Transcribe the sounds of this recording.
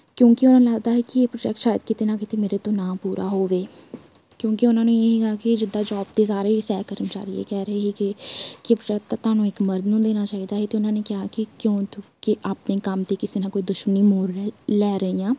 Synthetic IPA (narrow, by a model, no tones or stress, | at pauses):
kjõːkɪʊnãːnləɡd̪aːɦeːkɪepɾoːʈɛːk̚ʈʃaːjəd̪kɪt̪eːnãːkɪt̪eːmeːɾeːt̪õːnãːpuːɾʔa̰ːɦoːʋeː | kjõːkeʊnãːnũːeːɦiːɡaːkɪd͡ʒɪd̪ːaːd͡ʒɔːb̚d̪eːsaːɾeːisɛːkəɾmt͡ʃa̰ːɾiːḛːkɛːɾəeːɦiːkɪkepɾoːʈɛːk̚tt̪ːaːt̪ʊaːnũːɪkməɾd̪nũːd̪eːnaːt͡ʃaːiːd̪aːɦeːt̪eːʊnãːneːkɪaːkɪkjõːt̪kɪʔaːpneːkəmt̪iːkɪseːnãːkoːiːd̪ʊʃməniːmoːɾlɛːɾəiːãː